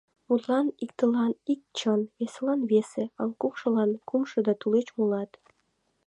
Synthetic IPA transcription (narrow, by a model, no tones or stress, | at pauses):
mut̪lɑnik̚t̪əlɑnik̚t͡ɕəneslɑnβeseɑŋkukʃɤ̆lɑnkumʃɤ̆d̪ɑt̪ulet͡ɕmulɑt̪